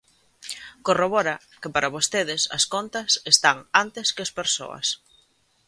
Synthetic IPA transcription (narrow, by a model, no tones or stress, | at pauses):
koroβɔɾɐ | kɪpaɾɐβost̪eðɪsɐ̰skont̪ɐsest̪aŋant̪eskɪɐspeɾso̰ɐ̰s